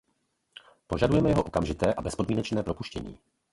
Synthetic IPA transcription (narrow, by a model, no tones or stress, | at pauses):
po̞ʒadujɛmɛjɛɦoʔo̞kamʒɪt̪ɛːʔabɛspodmiːnɛt͡ʃnɛːpɾo̞puʃcɛ̰ɲḭː